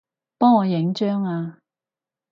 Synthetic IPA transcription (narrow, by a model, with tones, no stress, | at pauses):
pɔː˥ŋɔː˨˧jɪ˨˥ŋt͡ʃœː˥ŋaː˧